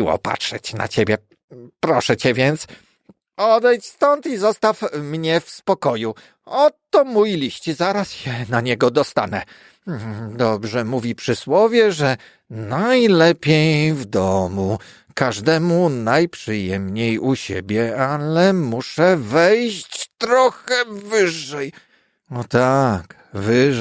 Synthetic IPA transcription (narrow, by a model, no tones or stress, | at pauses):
wɔ̰pa̰tʂɛt͡ɕna̰t͡ɕebʲjɛ | pɾɔʂɛt͡ɕɛvʲjɛnt̪s | ɔd̪ɛjt͡ɕst̪ɔnt̪izɔst̪afmɲɛfspɔkɔju | ɔt̪ɔmujilʲiɕt͡ɕizaɾasjɛnaɲɛɡɔd̪ɔst̪a̰nɛ | d̪ɔbʐɛmuvʲipʂɘswɔvʲjɛʐɛ | najlɛpʲjejvd̪ɔmu | kaʐd̪ɛmunajpʂɘjɛmɲejuɕḛbʲjɛalɛmuʂɛvɛjɕt͡ɕt̪ɾɔxɛvɘʐːɛj | ɔt̪ak | vɘ